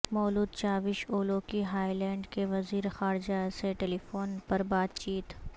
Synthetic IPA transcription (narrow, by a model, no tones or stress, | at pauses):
mɔːluːd̪̚t͡ʃaːʋɪʃoːlokiɦaːilɛ̃ːɳɖkeʋɐziːɾexaːɾd͡ʒaseʈeːlifoːnpɐɾbaːt̪t͡ʃiːt̪